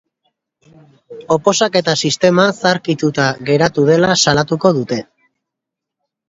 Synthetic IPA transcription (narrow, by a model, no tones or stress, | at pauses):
o̞po̞sake̞t̪asist̪e̞masaɾkit̪ut̪aɣe̞ɾat̪uð̞e̞lasalat̪uko̞ðut̪e̞